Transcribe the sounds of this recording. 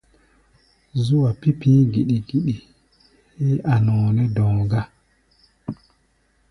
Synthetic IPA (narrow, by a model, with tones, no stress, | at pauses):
zu˦wa˨pi˦pĩ˦ɡi˨ɗi˨ɡi˨ɗi˨ | he˦ʔa˨nɔ̃˨nɛ˦dɔ̃˨ɡa˦